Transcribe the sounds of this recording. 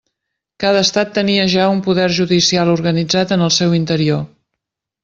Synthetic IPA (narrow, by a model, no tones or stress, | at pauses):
kaðəːst̪at̪ːəniəʒaumpuðɛrʒuðisialˠuɾɣənid͡zat̪ənəlˠsɛwint̪əɾio